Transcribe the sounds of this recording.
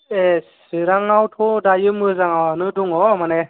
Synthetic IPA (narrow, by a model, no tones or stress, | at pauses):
esɯɾaŋawtʰodajɯmɯzaŋawanɯduŋɔmanɛ